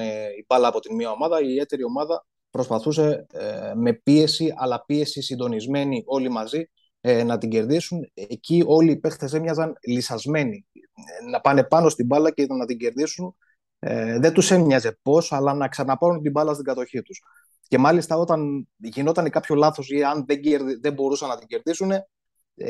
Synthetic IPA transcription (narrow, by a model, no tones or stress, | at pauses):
eibɐlɐːpo̞t̪inmiɐo̞mɐðɐiːie̞t̪e̞ɾio̞mɐðɐ | pɾo̞spɐθuse̞ | me̞pie̞siʔɐlɐpie̞sisind̪o̞nizme̞niʔo̞limɐzi | nɐt̪iɲɟe̞ɾðisuncio̞lipe̞xθes̬emɲɐzɐnlisɐzme̞ni | nɐpɐne̞pɐno̞st̪ibɐlɐceit̪ɐnɐt̪iɲɟe̞ɾðisun | ðet̪use̞mɲɐze̞po̞sɐlɐnɐksɐnɐpɐɾunt̪ibɐlɐst̪iɡɐt̪o̞çit̪us | ce̞mɐlist̪ɐo̞t̪ɐnʝino̞t̪ɐnekɐpço̞lɐθo̞siɐnðeɟeɾðiðe̞mbo̞ɾusɐnːɐt̪iɲɟe̞ɾðisune̞